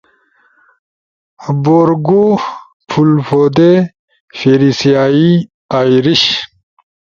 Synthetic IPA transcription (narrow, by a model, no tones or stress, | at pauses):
boɾɡo | pʰulfod̪e | feɾisijaːi | ajɾiɕ